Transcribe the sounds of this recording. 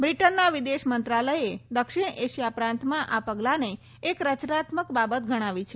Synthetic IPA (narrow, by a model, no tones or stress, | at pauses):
bɾiʈənːaʋid̪eʃmənt̪ɾaləjed̪əkʃɪɳeʃjapɾãnt̪mãʔapəɡlaneː | kɾət͡ʃɾat̪məkbabət̪ɡʱəɽ̃ãʋit͡ʃʰe